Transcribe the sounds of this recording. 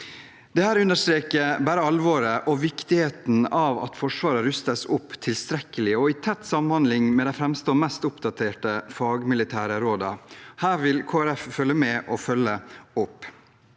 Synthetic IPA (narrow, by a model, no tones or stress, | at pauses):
d̪̥ɛhæːɾʉnːəʂt̪ɾeːkəbæːɾəɑlʋoːɾəʔɔʋɪkt̪ɪheːt̪n̩ɑʋɑ̰t̪fɔʂʋɑːɾəɾʉst̪əsʊpːt̪ʰɪlst̪ɾɛkːəlɪɔɪt̪ʰɛt̪ːsɑmnhɑnd̪lɪŋmɛd̪ɛfɾɛmst̪oːmɛst̪ʊpd̪ɑt̪ʰeːʈəfɑːɡmɪlɪt̪ʰæːɾəɾoːd̪ɑ̰hæːɾʋɪlkʰoːæɾɛffœlːəmɛːʔɔfœlːəʊpː